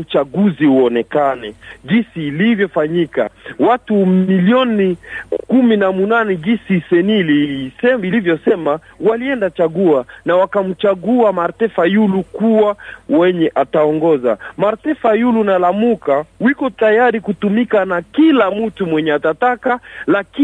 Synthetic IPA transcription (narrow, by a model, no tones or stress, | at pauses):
ut͡ʃaɡuziuɔnɛkanɛʄinsiːlivjɔfaɲika̰watumiliɔnikuminamunanɛʄinsisɛnilisɛilivjɔsɛmawaliɛndat͡ʃaɡuanawakam̩t͡ʃaɡuamaɾtɛfajulukuwawɛɲɛʔataɔŋɡɔza̰maɾtɛfajulunalamukawikɔtajaɾikutumikanakilamm̩tumwɛɲɛatatakalaki